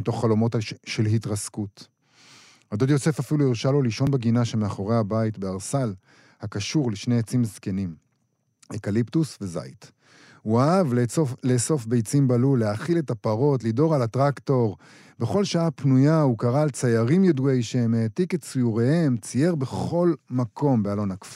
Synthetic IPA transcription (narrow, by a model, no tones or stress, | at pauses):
ito̞χːalo̞mo̞tʃelɦitʁaskut | had̪od̪jo̞se̞fafiluiʁʃalo̞liʃo̞nbeɡinaʃemeaχo̞ʁe̞jhabajitbe̞aʁsal | hakaʃuʁleʃne̞jet͡simzke̞nim | ekaliptusve̞za̰jt | huaavleso̞fbe̞jt͡simbalulːeaχile̞tapaʁo̞tlido̞ʁalatʁakto̞ʁ | be̞χo̞lʃaapnujaukaʁaːlt͡sajaʁimjedue̞jʃeemeːtiket͡sijuʁehe̞mt͡sije̞ʁbe̞χo̞lmakʰo̞mbealo̞nakf